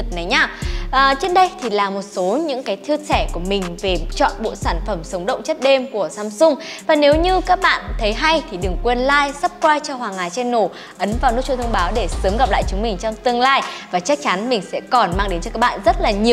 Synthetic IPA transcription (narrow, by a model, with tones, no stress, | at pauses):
ɨ˨˩t̚nə˨˦jɲaː˧˩ʔəː˨˩t͡ɕi˦˧˥n̚ɗə˧jt̪ʰi˨˩laː˨˩mo˨˩t̚so˨˦ɲɨ̰˧˥ŋkaː˨˦jt̪ʰɨ˧əsɛ˧˩ku˧˩əmï˨˩ŋ̟ve˨˩t͡ɕɔ̰˧˨nɓo̰˧˨saː˧˩nfə˧˩msə˨˦wŋ͡mɗə̰˧˨wŋ͡mt͡ɕə˦˥t̚ɗe˧mku˧˩əsaː˧msʊ˧ŋ͡mvaː˨˩ne˨˦wɲɨ˧kaː˦˥k̚ɓa̰ː˧˨nt̪ʰə˨˦jɦa˧jt̪ʰi˨˩ɗɨ˨˩ŋkwe˧nlaː˧jsə˦˥p̚kwaː˧jt͡ɕɔ˧hwaː˨˩ŋaː˨˩jt͡ɕɛ˧nːo˧˩ | ʔə˨˦nvaː˨˩wnɨ˦˥t͡ɕu˧t̪ʰwŋ͡mɓaː˨˦wɗe˧˩səː˨˦mɣa˨˩p̚la̰ː˧˨jt͡ɕʊ˨˦ŋ͡mmï˨˩ŋ̟t͡ɕɔ˧wŋ͡mt̪ɨ˧əŋlaː˧jvaː˨˩t͡ɕa˦˥k̚t͡ɕa˨˦nmï˨˩ŋ̟sɛ̰˧˥kɔ˨˩nmaː˧ŋɗe˨˦nt͡ɕɔ˧kaː˦˥ɓa̰ː˧˨nzə˦˥t̚laː˨˩ɲi˨˩ə